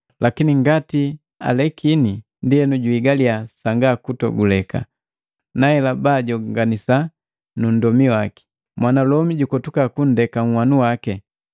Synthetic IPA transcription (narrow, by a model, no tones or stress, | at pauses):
lʔakiniŋɡati | a̰lɛkʰini | ndijɛnuɟuiɡaliasaŋɡakutɔ̰ɡulɛka̰ | naɛlabaɟɔŋɡanisa | nun̩dɔmiwaki̥ | mwanalɔmiɟukɔtukakun̩dɛkaŋ̩wanuwakɛ